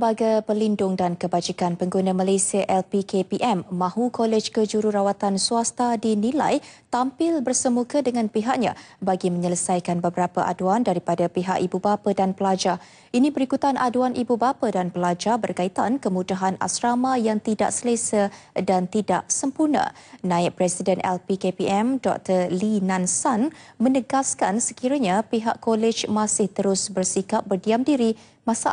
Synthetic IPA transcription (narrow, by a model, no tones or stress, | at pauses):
əmbaɡajpəlindʊŋdankəbad͡ʒikanpəŋɡunamalajsiaʔɛlpikepiʔɛmːãɦukɔlɛd͡ʒkəd͡ʒuɾuɾawat̪ansuast̪adinila̰jt̪ampɪlbərsəmukədəŋãnpiɦaʔɲã̰ | baɡiməɲələsajkanbəbəɾapəʔa̰duandaɾipadapiɦa̰ʔibubapədanpəlad͡ʒa | inĩbəɾikut̪anʔaduanʔibubapədanpəlad͡ʒabərkait̪ankəmutaɦana̰sɾamajaŋt̪ida̰ʔsələsədant̪ida̰ʔsəmpurnã̰nãɪʔ̚pɾɛsidɛnɛ̰lpikepiɛmdɔ̰k̚t̪əlinãnsanmə̃nəɡaskansəkiɾəɲãpiɦa̰ʔkɔlɛd͡ʒmãsɪht̪əɾʊsbərsikap̚bərdiamdiɾi | mãsaa